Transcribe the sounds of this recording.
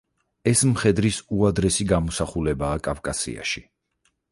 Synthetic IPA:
ɛsmχɛd̪ɾisuad̪ɾɛsiɡamɔsaχulɛbaːkʼavkʼasḭa̰ʃi

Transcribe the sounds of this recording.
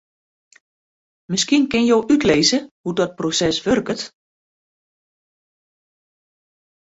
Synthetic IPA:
mɪskinkɪnjowʔytleːzəhudɔt̚prosɛsʋørkət

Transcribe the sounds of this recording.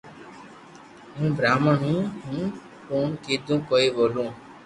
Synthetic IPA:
ɦũːbɾaːməɳũːɦũː | koːɳkeːd̪ũːkoːeːboːlõː

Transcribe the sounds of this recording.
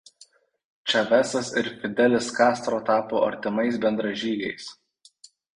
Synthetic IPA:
t͡ʃʲɐʋʲæsɐsɪɾfʲɪd̪ʲɛlʲɪskɑːst̪ɾoːt̪ɑːpoːʔɐ̰ɾʲt̪ʲɪmɐɪsbʲɛnd̪ɾɐʒʲiːɡʲɛɪs

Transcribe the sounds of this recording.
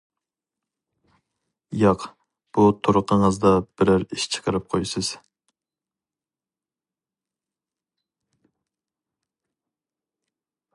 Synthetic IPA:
jɑq | b̥ut̪ʰoɾʊqəŋəzd̪ɑb̥ɪɾɪɾiʃt͡ʃʰə̥qʰəɾɨp̚qʰojsɨz̥

